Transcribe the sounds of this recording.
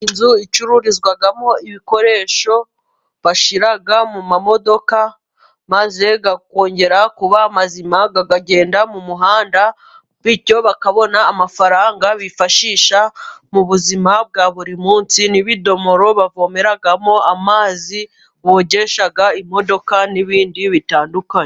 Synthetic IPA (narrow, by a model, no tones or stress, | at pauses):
inzuit͡ʃuɾuɾizɡwaɡamo̞iβiko̞ɾe̞ʃo̞ | βaʃiɾaɡamumamo̞do̞ka | maze̞ɡako̞ːɲɟe̞ɾakuβaːmazimaɡaɡaɟe̞ːndamumuɦaːnda | βico̞βakaβo̞naːmafaɾaːŋɡaβifaʃiːʃamuβuzimab̚ɡaːβuɾimuːnsiniβido̞mo̞ɾo̞βavo̞me̞ɾaɡamo̞amaːzi | βoːɟe̞ʃaɡaimo̞do̞kaniβiːndiβitaːndukaɲe